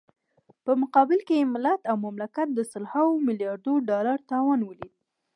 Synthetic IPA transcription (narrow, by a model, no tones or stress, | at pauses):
pəmʊqɑbɪlkejemɪlat̪awmamlakat̪̚d̪əsʊlhawomɪljɑɾd̪oɖɑlaɾt̪ɑwɑnwəlid̪